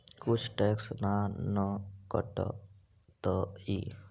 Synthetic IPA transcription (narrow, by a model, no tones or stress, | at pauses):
kut͡ʃʰʈeksnanɔkɔ̰ʈɔ̰ | t̪ɔi